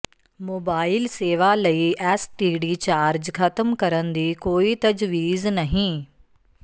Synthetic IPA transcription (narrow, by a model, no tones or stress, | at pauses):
moːbaːɪlseːʋaːləiːʔɛːsʈiːɖiːt͡ʃaːɾd͡ʒkʰət̪əmkəɾənd̪iːkoːiːt̪əd͡ʒʋiːznəɦĩː